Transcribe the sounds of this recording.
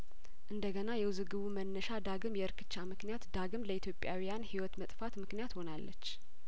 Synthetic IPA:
ʔɨnd̪əɡənajɛwzɨɡɨβumənːəʃad̪aɡɨmjɛɨɾkʰɨ̥t͡ʃːamɨknijat̪d̪aɡɨmləit̪ʰjopʼjawijanhiwɔt̪mət̪ʼfat̪mɨknijat̪ho̞nalːə̰t͡ʃː

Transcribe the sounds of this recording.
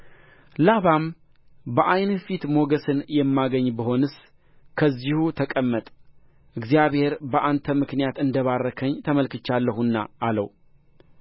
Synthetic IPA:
laβam | bəʔajnfit̪mo̞ɡəsɨnjɛmːaɡəɲːbəɦo̞nɨs | kʰəzːihut̪ʰəkʼəmːət̪ʼ | ʔɨɡzijaβhe̞ɾbəʔant̪ʰəmɨknijat̪ɨnd̪əβarːəkʰəɲt̪ʰəməlkɨt͡ʃːalːəhunːa̰ːlə̰w

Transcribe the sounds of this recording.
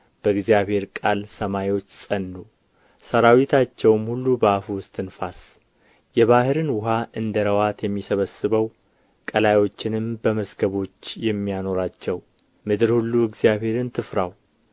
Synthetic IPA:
b̥əɨɡzijaβhe̞ɾkʼalsəmajwo̞t͡ʃːsʼənːu | səɾawit̪ʰat͡ʃːɛwmhulːubəafuwʊst̪ʼɨnfas | jɛβahɨɾɨnwʊɦaʔɨnd̪əɾəwat̪jɛmːisəβəsːɨβəw | kʼəlajo̞t͡ʃːɪnɨmbəməzɡəβo̞t͡ʃːjɛmːijano̞ɾat͡ʃːɛw | mɨd̪ɨɾhulːuɨɡzijaβhe̞ɾɨnt̪ʰɨfɾaw

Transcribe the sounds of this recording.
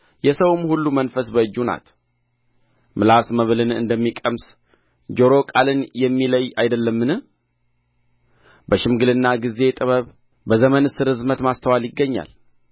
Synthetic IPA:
jɛsəwɨmhulːumənfəsbəɨd͡ʒːuna̰t̪ | mɨlasməβlɨnɨ̰nd̪əmːikʼəms | d͡ʒoɾo̞kʼalɨnjɛmːiləjajd̪əlːəmːɨnɨ | bəʃɪmɡɨlɨnːaɡize̞t̪ʼɨβəβ | bəzəmənɨsɨɾɨzmət̪mast̪ʰəwaljɪɡːəɲːa̰l

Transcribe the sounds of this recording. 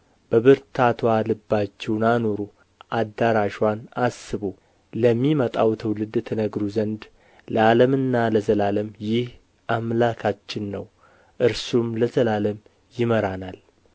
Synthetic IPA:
b̥əβɨɾt̪ʰat̪ʰwalɨbːat͡ʃːɛwnano̞ɾu | ʔad̪ːaɾaʃwanasːɨβu | ləmːimət̪ʼawt̪ʰəwlɨd̪ɨt̪ʰənəɡɾuzənd̪ | ləaləmɨnːaləzəlaləmjɪh | ʔamlakʰat͡ʃːɪnːəw | ʔɨɾsumləzəlaləm | jɪməɾanal

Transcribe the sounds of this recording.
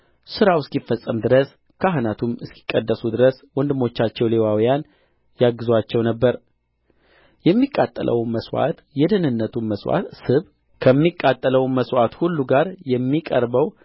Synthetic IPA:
sɨɾawɨskifːəsʼːəmd̪ɨɾəs | kʰaɦɨnat̪ʰumɨskʰi̥kʼːəd̪ːəsud̪ɨɾəswɔnd̪ɨmo̞t͡ʃːat͡ʃːɛwle̞wawijan | jaɡːɨzwat͡ʃːɛwnəbːəɾ | jɛmːikʼːat̪ʼːə̰lʔə̰wməswa̰t̪jɛd̪ənɨnːət̪ʰumməswa̰sɨβ | kʰəmːikʼːat̪ʼːələwməswat̪hulːuɡaɾjɛmːikʼəɾbəw

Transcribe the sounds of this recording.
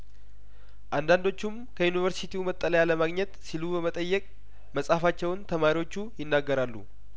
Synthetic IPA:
ʔand̪and̪o̞t͡ʃːum | kʰəjunivəɾsit̪ʰiumət̪ʼːələjaləmaɡɲɛt̪silubəmət̪ʼəjːɛkʼ | məsʼafat͡ʃːɛwnt̪ʰəmaɾiwo̞t͡ʃːujɪnːaɡːəɾalːu

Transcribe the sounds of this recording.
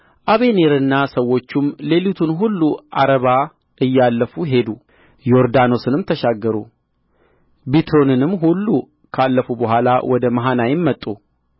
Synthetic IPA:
ʔaβe̞neɾɨnːasəwːo̞t͡ʃːumle̞lut̪ʰunɦulːuʔa̰ɾəβa | ʔɨjːalːəfuɦe̞d̪u | jo̞ɾd̪ano̞sɨnɨmt̪ʰəʃaɡːəɾṵ | bit̪ɾo̞nɨnɨmːɦulːu | kʰalːəfubəɦʷala̰wʔɔd̪əməɦanajɪmːət̪ʼːu

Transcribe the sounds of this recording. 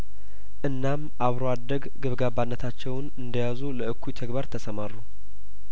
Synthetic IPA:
ʔɨnːam | aβɾoad̪əɡɡɨβɡabanːət̪ʰat͡ʃːɛwnɨnd̪əjazuləɨkʰːujt̪ʰəɡbaɾt̪ʰəsəmarːu

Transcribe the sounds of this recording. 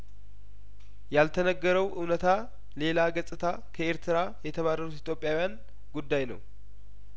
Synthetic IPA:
jalt̪ʰənəɡːəɾəwʔɨwnət̪ʰa | le̞laɡəsʼɨt̪ʰa | kʰəeɾt̪ʰɨɾajɛt̪ʰəβarəɾut̪it̪jo̞pʼːjawijan | ɡud̪ːajnə̰w

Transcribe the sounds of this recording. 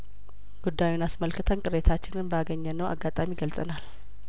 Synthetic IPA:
ɡ̥ud̪ːajunasməlkʰɨt̪ʰənkʼɨɾet̪ʰat͡ʃːɪnɨnbəaɡəɲːənːəwʔa̰ɡːat̪ʼamiɡəlsʼə̰nal

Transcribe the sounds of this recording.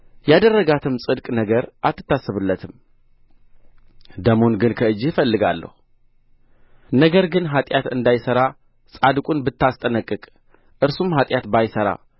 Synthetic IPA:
jad̪ərːəɡat̪ʰɨmsʼɨd̪kʼnəɡəɾʔat̪ʰːɨ̥t̪ːasːɨβɨlːət̪ʰɨm | d̪əmonɡɨnkʰəɨd͡ʒːɪfəlːɨɡalːə̰hu | nəɡəɾɡɨnɦat̪ʼjat̪ɨnd̪ajsəɾa | sʼad̪kʷʼunbɨt̪ʰːast̪ʼənəkʼːɨkʼ | ʔɨɾsumɦat̪ʼjat̪bajsəɾa̰

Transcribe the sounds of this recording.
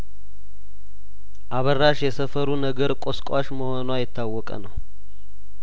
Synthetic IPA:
ʔaβərːaʃjɛsəfəɾunəɡəɾkʷʼoskʼwaʃməho̞nwajɪt̪ːawːɔkʼə̰nəw

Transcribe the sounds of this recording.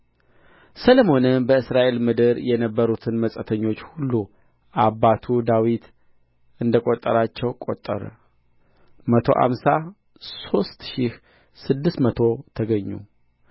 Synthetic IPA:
sələmo̞nɨmbəɨsɾaʔe̞lmɨd̪ɨɾjɛnəbːəɾut̪ʰɨnməsʼət̪ʰəɲːo̞t͡ʃːhulːu | ʔabːat̪ʰud̪awit̪ | ɨnd̪əkʼot̪ʼːə̰ɾat͡ʃːɛwkʼo̞̰t̪ʼːə̰ɾ | mət̪ʰo̞̰ʔa̰msa | so̞st̪ʃih | sɨd̪ːɨst̪mət̪ʰo̞t̪ʰəɡəɲːṵ

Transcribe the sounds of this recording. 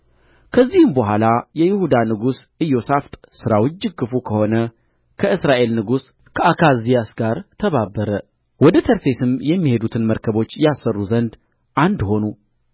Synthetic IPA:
kʰəzːihɨmbəhʷalajɛjɪhud̪anɨɡus | ɨjːosaft̪ʼsɨɾawɨd͡ʒːɨɡːɨfukʰəho̞nə | kʰəɨsɾaʔe̞lnɨɡus | kʰəakʰazijasɡaɾt̪ʰəβabəɾə | wɔd̪ət̪ʰəɾse̞sɨmjɛmːihe̞d̪ut̪ʰɨnməɾkʰəβo̞t͡ʃːjɛasərːuzənd̪ | ʔand̪ho̞nu

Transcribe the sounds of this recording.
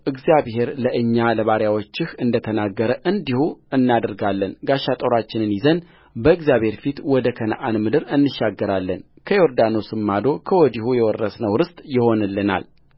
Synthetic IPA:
ʔɨɡzijaβhe̞ɾləʔɨɲːaləβaɾjawo̞t͡ʃːɪhɨnd̪ət̪ʰənaɡːəɾəʔɨnd̪ihuɨnːad̪əɾɡalːənɡaʃːat̪ʼoɾat͡ʃːɪnɨnjɪzən | bəɨɡzjaβhe̞ɾfit̪wɔd̪əkʰənə̰ʔanmɨd̪ɨɾɨnːɨʃːaɡːəɾalːən | kʰəjoɾd̪ano̞sɨmːad̪o̞kʰəwɔd̪ihujɛwɔrːəsnəwɾɨst̪ʼjɪho̞nɨlːɨna̰l

